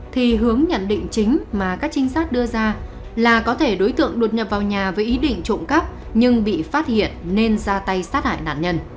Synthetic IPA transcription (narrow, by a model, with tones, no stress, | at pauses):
t̪ʰi˨˩ɦɨ˨˦əŋɲə̰˧˨nɗḭ̈˧˨ŋ̟t͡ɕï˨˦ŋ̟maː˨˩kaː˦˥k̚t͡ɕï˨˦ŋ̟saː˦˥k̚ɗɨ˧əzaː˧ | laː˨˩kɔ˨˦t̪ʰe˧˩ɗo˨˦jt̪ɨ̰˧˨əŋɗo˨˩t̚ɲə˨˩p̚vaː˨˩wɲaː˨˩vəː˨˦jʔi˨˦ɗḭ̈˧˨ŋ̟t͡ɕo̰˧˨ŋ͡mka˦˥p̚ | ɲɨ˧ŋɓḭ˧˨faː˦˥t̚hḭ˧˨ənːe˧nzaː˧t̪a˧jsaː˦˥t̚ha̰ː˧˨jna̰ː˧˨nɲə˧n